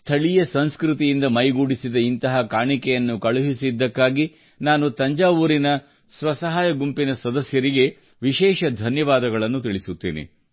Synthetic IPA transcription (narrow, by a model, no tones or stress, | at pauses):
st̪ʰɐɭijɐsɐnskɾut̪ijind̪ɐmɐjɡuːɽisid̪ɐint̪ɐɦɐkaːɳikɛjɐnːukɐɭuɦisid̪ːɐkːaːɡi | naːnut̪ɐɲd͡ʒaːʋuɾinɐ | sʋɐsɐɦaːjɐɡumpinɐsɐd̪ɐsjɐɾiɡe̞ | ʋiʃɛːʃɐd̪ʱɐnjɐʋaːd̪ɐɡɐɭɐnːut̪iɭisut̪ːḭːnḭ